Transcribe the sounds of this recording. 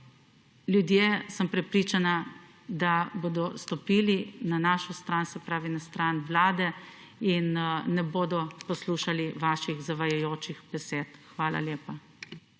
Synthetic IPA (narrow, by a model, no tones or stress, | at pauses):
ljud̪jeːsəmpɾɛpɾiːt͡ʃana | d̪aboːd̪ɔst̪ɔpiːlinanaːʃɔst̪ɾaːnsɛpɾaːʋinast̪ɾaːnʋlaːd̪ɛ | inːɛboːd̪ɔpɔsluːʃaliʋaːʃiɣzaʋajajoːt͡ʃiɣbɛseːt̪xʋaːla̰ljeːpa